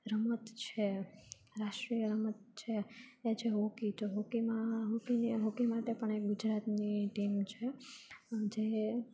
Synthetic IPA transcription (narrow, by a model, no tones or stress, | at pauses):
ɾəmət̪t͡ʃʰe | ɾaʃʈɾijəɾəmət̪̚t͡ʃʰeːt͡ʃʰeɦokit̪oɦokimãɦokiniɦokimaʈepəɳek̚ɡʊd͡ʒɾat̪niʈimt͡ʃʰe | d͡ʒe